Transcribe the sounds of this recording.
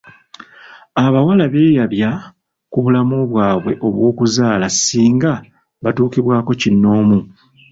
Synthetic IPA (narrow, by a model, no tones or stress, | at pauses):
aβawalaβe̞ːjaβja | kuβulamoβwaːβwe̞ʔo̞βwo̞ːkuzaːlasiːŋɡa | βatuːkiβwaːko̞cinːo̞ːmu